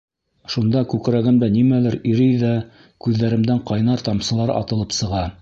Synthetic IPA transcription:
ʃund̪ɑkʉkɾæɡɘmd̪ænimælɘɾiɾɘjðæ | kʉðːæɾɘ̆md̪æɴqɑjnɑɾt̪ɑmsɤ̆lˠɑɾɑ̰t̪ɤ̆lˠɤpsɤ̆ʁɑ

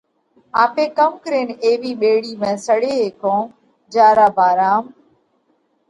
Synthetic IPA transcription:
aːpeːkəmkəɾeːneːʋiːɓeːɽiːmẽːsəɽeːɦeːkõː | d͡ʒaːɾaːbaːɾaːm

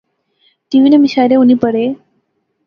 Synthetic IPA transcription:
ʈiʋinemiɕaɾeunipəɽe

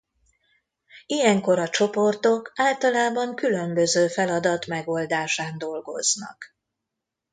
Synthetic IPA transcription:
ijɛŋko̞ɾɒt͡ʃo̞po̞rt̪o̞kaːlt̪ɒlaːbɒŋkylø̞mbø̞zøːfɛlɒd̪ɒt̪mɛɡo̞ld̪aːʃaːnd̪o̞lɡo̞̰znɒ̰k

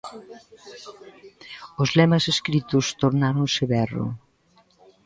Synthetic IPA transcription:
ʊzlɛmɐseskɾit̪ʊst̪oɾnaɾonsɪβɛro̰

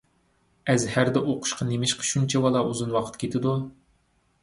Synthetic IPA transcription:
ɛzhæɾd̪ɛʔoqʰʊ̥ʃqʰɑnemɪʃqʰə̥ʃunt͡ʃʰɛbɑlˠɑuzunwɑqʰə̥t̪kʲʰet̪ʰɪd̪u

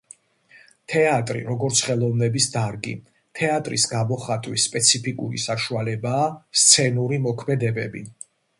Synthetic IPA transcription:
t̪ʰɛat̪ʼɾḭɾɔɡɔɾt̪sʰχɛlˠɔvnɛbisd̪aɾɡḭ | t̪ʰɛat̪ʼɾḭsɡamɔχat̪ʼwispʼɛt̪sʰipʰikʼuɾḭsaʃualɛbaːst̪sʰɛnuɾimɔkʰmɛd̪ɛbɛbḭ

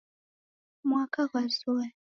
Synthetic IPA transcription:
mwakaɣazɔɛ

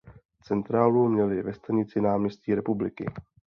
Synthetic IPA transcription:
t͡sɛnt̪ɾaːlumɲɛlɪvɛst̪aɲɪt͡sɪnaːmɲɛsciːɾɛpublɪkɪ̰

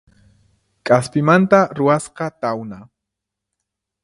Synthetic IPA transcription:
kʼaspɪmant̪aɾʊwasqɑt̪awna

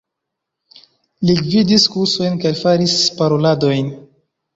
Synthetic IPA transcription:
liɡvidiskuso̞jnkalfaɾispaɾo̞lado̞jn

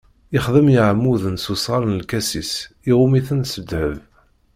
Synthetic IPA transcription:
ɪχðəmjiʕmːuðənsusʁɑɾˤnlkæsisiʁumiθənsəd̪həv

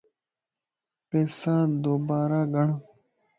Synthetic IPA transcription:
peːsãːd̪oːbaːɾaːɡəɳ

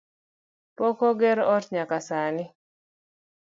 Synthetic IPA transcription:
pɔkɔɡɛɾɔtɲakasanɪ

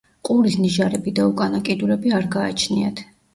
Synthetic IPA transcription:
qʼuɾisniʒaɾɛbid̪aukʼanakʼid̪uɾɛbiaɾɡaːt͡ʃʰniat̪ʰ

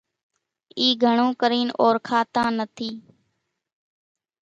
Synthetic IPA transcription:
iːɡʱəɳ̃ũːkəɾiːnʔoːɾkʰaːt̪ãːnət̪ʰiː

